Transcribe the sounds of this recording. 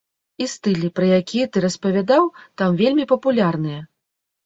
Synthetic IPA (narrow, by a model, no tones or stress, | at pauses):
ist̪ɨlʲipɾɐjakʲijɐt̪ɨɾɐspɐvʲad̪awt̪amvʲelʲmʲipɐpulʲarnɨjɐ